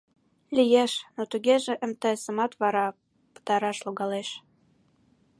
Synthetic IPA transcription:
lʲijeʃnot̪uɣeʒĕʔə̆mt̪əəsə̆mɑt̪βɑɾɑ | pə̥t̪ɑɾɑʃloɣɑleʃ

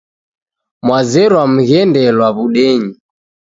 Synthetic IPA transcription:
mwazɛɾwam̩ɣɛndɛlwaβuɗɛɲi

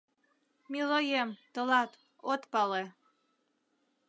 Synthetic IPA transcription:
milojemt̪əlɑt̪ | ot̪pɑle

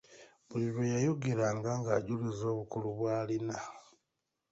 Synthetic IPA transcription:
βuliβwojajo̞ɡeɾaːŋɡaŋɡaɟulizo̞ːβukuluβwaːlina

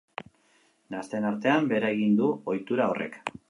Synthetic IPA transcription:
nast̪enaɾt̪e̞ambe̞ɾaeɣind̪uo̞jt̪uɾao̞rʔe̞̰k

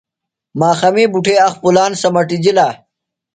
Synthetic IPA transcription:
maːxɐmiːbuʈʰeɐxpulaːnsɐmɐʈid͡ʑilaː

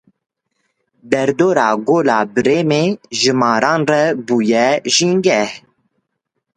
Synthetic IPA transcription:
d̪ɛɾd̪oːɾɑːɡoːlɑːbɨɾeːmeːʒɨmɑːɾɑːnrɛbuːjɛʒiŋɡɛh

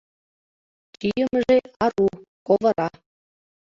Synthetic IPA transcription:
kyjə̆mʒeɑɾukovɤ̆ɾɑ

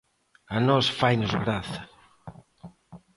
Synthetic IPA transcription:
anɔsfajnʊzɣɾaθɐ

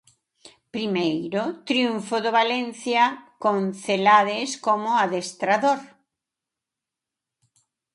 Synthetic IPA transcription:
pɾimejɾʊt̪ɾjuɱfʊðoβalen̟θjakõŋθelaðɪskomʊaðest̪ɾaðoɾ

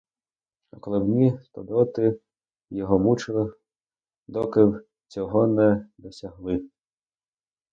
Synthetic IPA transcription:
ɔkɔlˠɔbnʲit̪ɔd̪ɔt̪ɪ | jɔɦɔmut͡ʃɪlˠɪ | d̪ɔkɪw | t͡sʲɔɦɔnɛd̪ɔsʲɐɦlˠɪ

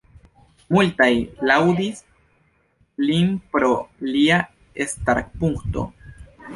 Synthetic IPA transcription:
multajlawd̪is | linpɾolia | est̪aɾkpuŋkto̞̰

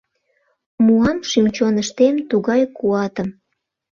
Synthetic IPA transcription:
muɑmʃymt͡ɕonəʃt̪emt̪uɣɑjkuɑt̪əm

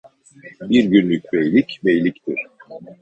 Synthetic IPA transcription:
biɾɟynlʲycʲbejlʲicbejlʲict̪ʰiɾ̥

